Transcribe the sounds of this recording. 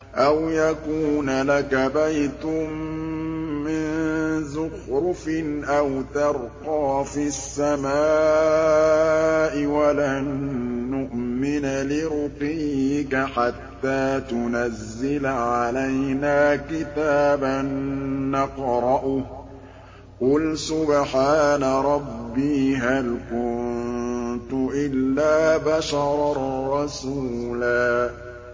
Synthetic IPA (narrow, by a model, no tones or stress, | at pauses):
ʔawjakuːnalakabajt̪ʊmː | ɪnzʊxɾʊfɪnʔawt̪ɑɾˤqɑːfisːamaː | ʔɪwalanːʊʔmɪnalɪɾʊqiːɪkaħat̪ːaːt̪ʊnazːɪlʕalajnaːkɪt̪aːbanːɑqɾˤɑʔʊ | qʊlsʊbħaːnaɾˤɑbːiːɦalkʊnnt̪ʊʔɪlːaːbaʃɑɾˤɾˤɾˤɑsuːlaː